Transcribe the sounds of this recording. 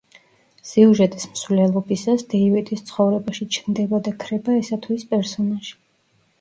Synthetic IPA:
siuʒɛt̪ʼismsvlɛlˠɔbisasd̪̥ɛivɛt̪ʼist̪sʰχɔvɾɛbaʃit͡ʃʰnd̪ɛbad̪akʰɾɛbaɛsat̪ʰwispʼɛɾsɔnaʒ̥i̥

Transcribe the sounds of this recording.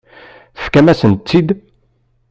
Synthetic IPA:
θə̥fkæmæsənt̪ːid̪

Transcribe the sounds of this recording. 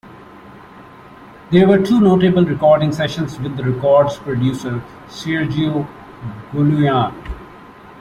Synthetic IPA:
d̪eːɾʋəɾʈʰuːnoːʈebəlɾɪkɔːɾɖɪ̃ŋsɛʃə̃nsʋɪd̪ːəɾɪkɔːɾɖspɾoɖjuːsəɾ | sɪɾd͡ʒio | ɡulujãːn

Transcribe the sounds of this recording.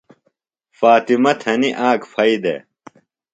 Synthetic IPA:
faːt̪imɐt̪ʰɐniʔaːkfʰɐid̪ḛ

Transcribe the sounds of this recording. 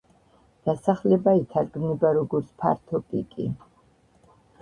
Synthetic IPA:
d̪̥asaχlɛbait̪ʰaɾɡmnibaɾɔɡɔɾt̪sʰpʰa̰ɾt̪ʰɔpʼḭkʼḭ

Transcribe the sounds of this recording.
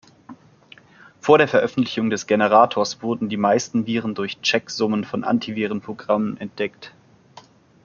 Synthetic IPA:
foːɐɾeːɐfɛɐʔœfn̩tlɪçʊŋdɛsɡ̥enəʁ̞aːtʰoːɐsv̥ʊɐdn̩diːmaɪstn̩viːʁən̩dʊɐçt͡ʃɛkz̥ʊmənfɔnʔa̰ntʰiviːʁənpʁ̥oɡʁamənɛnt̚d̥ɛkt

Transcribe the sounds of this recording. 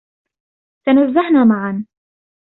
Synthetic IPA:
t̪anazːahnaːmaʕan

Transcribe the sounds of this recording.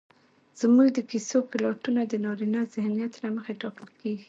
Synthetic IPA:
z̥muɡd̪əkisokɪlɑʈunad̪ənɑɾinazɪhnijat̪naməxeʈɑkəlkeɡi

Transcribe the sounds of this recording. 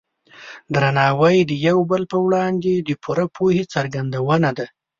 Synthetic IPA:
d̪ɾanɑwəjd̪əjawbəlpəwɽɑnd̪ed̪əpʰuɾapʰohet͡saɾɡand̪awənad̪a

